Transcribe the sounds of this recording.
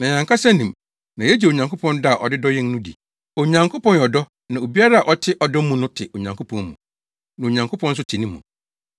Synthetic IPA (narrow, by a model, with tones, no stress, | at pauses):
nã˨ɲã˨ŋkʰa˦sɛ˦nĩ˨m | nã˨ɛ˦d͡ʑi˨o˨ɲã˨ŋkʰo˦pʰɔ̃˦nda˦˨ʔɔ˨dɪ˦dɔ˦jɛ˦n˦nʊ̃˦dḭ˨ | o˨ɲã˨ŋkʰo˦pɔ̃˦˨njɔ˨dɔ˦ | nã˨o˨bi˦a˦ɾa˦a˨ʔɔ˦tʰɪ˦ʔɔ˨dɔ˦mũ˨nʊ̃˦tʰɪ˨ʔo˨ɲã˨ŋkʰo˦pʰɔ̃˦mmṵ̃˨ | nã˨o˨ɲã˨ŋkʰo˦pʰɔ̃˦n̩˦s̬ʊ˦tʰɪ˨nĩ˦mːũ˨